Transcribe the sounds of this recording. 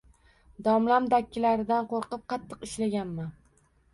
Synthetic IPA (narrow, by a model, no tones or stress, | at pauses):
d̪ɒmlamd̪akʲʰːɪlaɾɪd̪anqoɾqɨp̚qʰɑt̪ʰːɨqɪʃlaɡʲanman